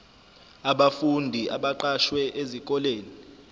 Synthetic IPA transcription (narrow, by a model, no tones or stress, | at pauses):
aɓafundʱiʔaɓaǃaʃwɛʔezikʼɔleːni